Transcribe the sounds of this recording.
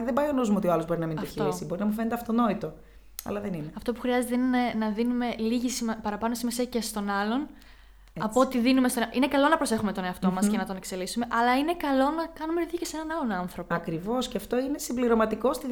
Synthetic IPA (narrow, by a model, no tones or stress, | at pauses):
ðebɐjonozmuot̪ioɐlozbo̞ɾinɐmind̪oçiɾoisibo̞ɾinɐmufenet̪eɐft̪o̞no̞it̪o̞ | ɐ̰lɐðenineɐft̪o̞pu̥xɾiɐze̞t̪einenenɐðinume̞liʝisimɐpɐɾɐpɐno̞simɐsece̞st̪o̞nɐlo̞n | ɐpot̪iðinumest̪oʔine̞kɐlo̞nɐpɾo̞se̞xume̞t̪o̞ne̞ɐft̪o̞mɐscenɐt̪o̞ne̞kse̞lisume̞ʔɐlɐine̞kɐlo̞nɐkɐnumeðjicese̞nɐnɐlonɐnθɾo̞pɐkɾivo̞sceɐft̪o̞ine̞simbliɾo̞mɐt̪iko̞st̪i